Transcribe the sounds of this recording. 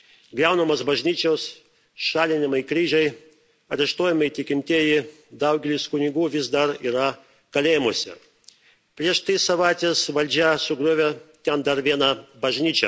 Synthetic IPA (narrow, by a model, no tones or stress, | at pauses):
ɡɾʲɛʊnɐmɐsbɐʒʲnʲiːt͡ʃʲɛʊs | ʃɑːlʲɪnʲɪmɐɪkɾʲiːʒʲɛɪ | ɐɾʲɛʃt̪oːjɛmɐɪt̪ʲɪkʲɪmʲt̪ʲiɛjɪ | d̪ɐʊɡʲɛlʲɪskʊnʲɪɡuːʋʲɪzd̪ɐɾiːɾɐ | kɐlʲeːjɪmoɔsʲɛ̰ | pʲɾʲiɛʃt̪isɐʋɑˑɪt̪ʲesʋɐlʲd͡ʒʲæsʊɡɾuːʋʲet̪ʲɛnd̪ɐɾʋʲiɛnɐbɐʒʲnʲiːt͡ʃʲɛ